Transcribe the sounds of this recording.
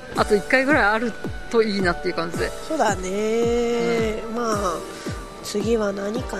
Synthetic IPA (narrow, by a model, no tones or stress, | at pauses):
at̪o̞ikːaiɡɯ̟ɾaiaɾɯ̟t̪o̞iːnat̪ːejiɯ̟kãɲ̟d͡ʑid̪eso̞ːd̪ane | maː | t͡sɨɡʲiβanaɲ̟ika